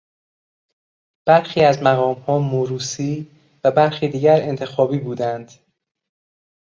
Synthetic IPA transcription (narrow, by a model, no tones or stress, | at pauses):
b̥æɾxiːæzmæɣɒːmhɒːmuɾuːsiː | væbæɾxiːd̪iːɟæɾe̞nt̪ʰe̞xɒːbiːbuːd̪ænd̪̥